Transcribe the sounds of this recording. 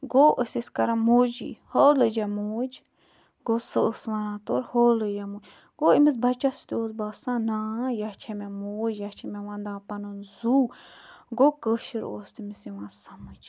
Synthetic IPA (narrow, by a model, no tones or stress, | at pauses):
ɡoːʔəsiskɐɾãmoːd͡ʒḭholəd͡ʒamoːd͡ʒ | ɡoːsəsʋanãːt̪oːɾhoːləd͡ʒɛmoːd͡ʒ | ɡoːimis̬bɐt͡ʃasi̥t̪ioːsbaːsãːnãːjat͡ʃʰɛmɛ̃moːd͡ʒjat͡ʃʰimɛ̃ʋãnd̪ãːpɐnɨnzuːɡoːkəːʃiɾo̰ːst̪imisiʋãsɐmɨd͡ʒ